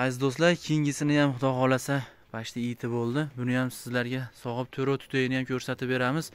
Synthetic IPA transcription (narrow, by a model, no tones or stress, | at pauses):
azd̪ost̪laɾkʲʰiŋʲɪsɪnɪjamχʊd̪ɒʁɒlasa | pʰaʃt̪ʰaɪt̪ʰɪbolˠd̪ɪbʊnɪjamsɪzlaɾɡʲasɒʁɨp̚t̪ʰɵɾot̪ʰʊ̥t̪ʰaɡɪnɪjamkʲʰɵɾsat̪ʰɪp̚be̞ɾamɪz̥